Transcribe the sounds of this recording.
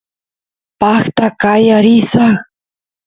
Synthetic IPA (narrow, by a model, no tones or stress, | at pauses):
pɑχt̪akajaɾɪsaχ